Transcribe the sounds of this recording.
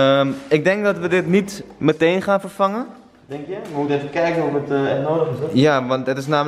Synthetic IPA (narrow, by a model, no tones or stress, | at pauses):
əmɪk̚dɛŋk̚dɔtʋədɪtnitmətejnχaːnfərfɑŋən | dɛŋkjəʋəmutəɛfəkɛjkənufətɛnoːdəχɪsjaʋɑntdɪtɪsnaːm